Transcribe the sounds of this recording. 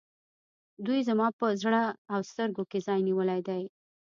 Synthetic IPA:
d̪ujzamɑpəzɽaawst̪əɾɡokezɑjniwəlajd̪aj

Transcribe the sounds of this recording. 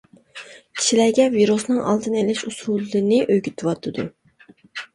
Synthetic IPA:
kʲʰi̥ʃilæɡʲɛviɾusnɨŋʔɑ̰lˠd̪ɨnɛlɪʃusulˠːɨnɨʔøjɡʲyt̪ʰɨwɑt̪ʰːɨd̪u

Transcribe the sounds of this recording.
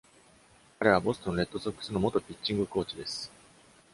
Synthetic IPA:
kaɾe̞β̞abo̞sɨ̥t̪onoɾe̞t̪ːo̞sokːɯ̥sɨno̞mo̞t̪o̞pʲit͡ɕːĩŋɡɯ̟ko̞ːt͡ɕid̪e̞sɨ̥

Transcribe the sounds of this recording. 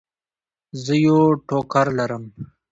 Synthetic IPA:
zəjoʈoːkaɾlɐɾəm

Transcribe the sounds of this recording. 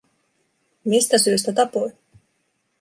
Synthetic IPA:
mist̪æsyis̬t̪æt̪ɑpoj

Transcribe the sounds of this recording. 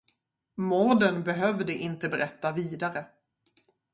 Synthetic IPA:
mɔɾɖ̪ənbɛɦœvd̪əʔɪnt̪əbɛɾɛt̪ːaviːd̪aɾə

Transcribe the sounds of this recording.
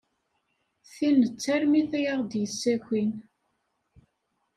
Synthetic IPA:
θinət͡sːæɾmiθæjaʁd̪jəsːækʷin

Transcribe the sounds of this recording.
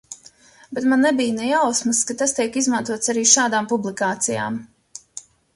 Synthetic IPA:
bet̪manːebijnɛjawsmɨskat̪ast̪iɛkizmant̪uɔt̪saɾiːʃaːd̪aːmpublˠikaːt̪sija̰ːm

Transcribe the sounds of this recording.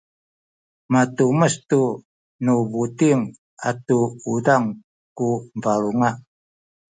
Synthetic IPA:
matuməstu | nuvutiŋ | a̰tuudaŋ | kumvaluŋa

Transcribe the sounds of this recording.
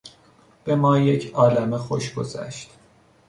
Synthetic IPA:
b̥e̞mɒːje̞cʰɒːlæmexo̞ʃɡo̞̰zæ̰ʃt̪

